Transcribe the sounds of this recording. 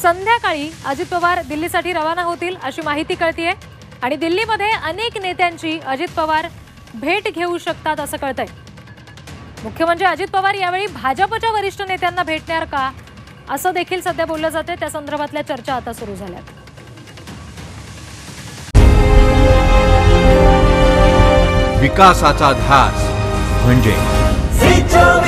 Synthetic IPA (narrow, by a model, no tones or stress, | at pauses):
sənd̪ʱjakaɭiːəd͡ʑit̪̚pəʋaɾd̪ilːisaʈʰiːɾəʋanaɦot̪iːləɕiːmaɦit̪iːkəɭt̪iːje | aɽ̃id̪ilːiːməd̪ʱːjeʔəneknet̪jaɲt͡ɕiːʔəd͡ʑit̪̚pəʋaɾ | bʱeʈɡʱeuɕək̚t̪at̪əsəːkəɭt̪əj | mukʰjəməɳd͡zeəd͡ʑit̪̚pəʋaɾjaʋeɭiːbʱad͡ʑəpət͡ɕjaʋəɾiʂʈʰənet̪janːabʱeʈɳjaɾka | əsəːd̪ekʰiːlsəd̪ʱjabolːəd͡zat̪et̪jasənd̪əɾbʱat̪ljat͡ɕəɾt͡ɕaːt̪asuɾuːd͡zʱalja̰t̪ | ʋikasat͡sad̪ʱjat͡sm̤əɳd͡ʑḛ